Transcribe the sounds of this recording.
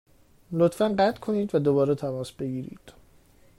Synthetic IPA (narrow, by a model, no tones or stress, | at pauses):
lot̪fænɢæt̪kʰo̞niːd̪væd̪o̞bɒːɾɛt̪ʰæmɒːsbe̞ɡiːɾḭːd̪̥